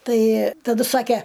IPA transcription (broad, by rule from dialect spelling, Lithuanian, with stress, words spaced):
ˈtɐɪ tɐˈdʊ ˈsɑːkʲɛ